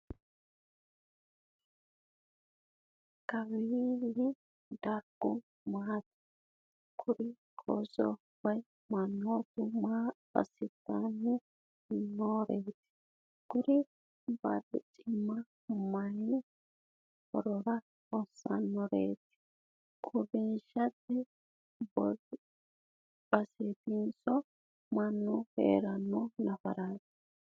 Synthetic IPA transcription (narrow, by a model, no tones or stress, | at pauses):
kɐβilɪ | d̪ɐɾɡʊ | maːt̪ɪ̥ | ɡ̥ʊɾi | kʰʼɔ̰zɔ̰ | wɐj | mɐnːot̪ʊma | ɐ̰sɪt̪ːanːɪ | noɾeːt̪ɪ̥ | ɡ̥ʊɾi | ba̰dɪt͡sʼɪmːɐ | mɐni | hɔ̰ɾɔɾɐ | hɔsːa̰nːɔɾḛːt̪ɪ̥ | kʼʊbɪnʃɐt̪ːɪ | bɔ | b̥ɐset̪ɪnsɔ | mɐnːɔhḛːɾɐnːɔnɐfɐ̰ɾaːt̪ɪ̥